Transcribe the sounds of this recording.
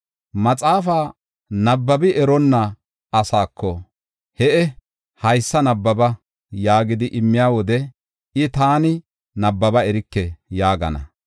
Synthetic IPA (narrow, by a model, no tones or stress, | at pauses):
mɐt͡sʼaːfaː | nɐbːɐbɪʔɛɾɔnːɐ | ɐsaːkʰːɔ | hɛʔɛ | hɐjsːɐnɐbːɐbɐ | jaːɡɪd̪ɪʔɪmːɪjaːwɔd̪ɛ | ɪt̪aːnɪ | nɐbːɐbɐɛɾɪkːɛjaːɡɐ̰nɐ̰